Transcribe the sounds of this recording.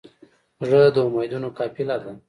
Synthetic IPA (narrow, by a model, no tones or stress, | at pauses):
ʐəd̪əʊmajd̪unokɑpilad̪əm